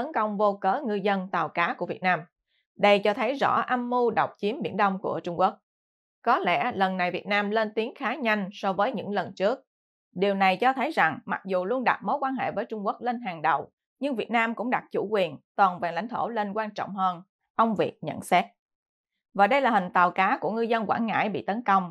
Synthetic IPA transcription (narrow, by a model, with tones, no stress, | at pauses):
t̪ə˨˦nkə˧wŋ͡mvo˧kəː˨˦ŋɨ˧zə˧nt̪aː˨˩wkaː˨˦ku˧˩əvi˨˩t̚naː˧m | ɗə˧jt͡ɕɔ˧t̪ʰə˨˦jzɔ̰˧˥ʔa˧mːu˧ɗə˨˩wk͡p̚t͡ɕi˨˦əmɓḭ˧˩ənɗə˧wŋ͡mku˧˩ət͡ɕʊ˧ŋ͡mku˦˥ək̚ | kɔ˨˦lɛ̰˧˩lə˨˩nːa˨˩jvi˨˩ət̚naː˧mle˧nt̪i˨˦əŋxaː˨˦ɲa˧jŋ̟sɔ˧vəː˨˦jɲɨ̰˧˥ŋlə˨˩nt͡ɕɨ˦˥ək̚ | ɗi˨˩əwna˨˩jt͡ɕɔ˧t̪ʰə˨˦jza˨˩ŋma̰˨˩k̚zu˨˩lu˧ənɗa̰˨˩t̚mo˨˦jkwaː˧nɦḛ˧˨vəː˨˦jt͡ɕʊ˧ŋ͡mku˦˥ək̚le˧nɦaː˨˩ŋɗə̰˨w | ɲɨ˧ŋvi˨˩ət̚naː˧mkʊ̰˧˥ŋ͡mɗa˨˩t̚t͡ɕṵ˧˩kwi˨˩ənt̪waː˨˩nvaː˨˩la̰˧˩jŋ̟t̪ʰo˧˩le˧nkwaː˧nt͡ɕɔ̰˧˨ŋ͡mɦəː˧n | ʔə˧wŋ͡mvi˨˩ək̚ɲə̰˧˥˨nsɛ˦˥t̚ | vaː˨˩ɗə˧jlaː˨˩hï˨˩ŋ̟t̪aː˨˩wkaː˨˦ku˧˩əŋɨ˧zə˧nkwa̰ː˧˩nŋa̰ː˧˩jɓḭ˧˨t̪ə˨˦nkə˧wŋ͡m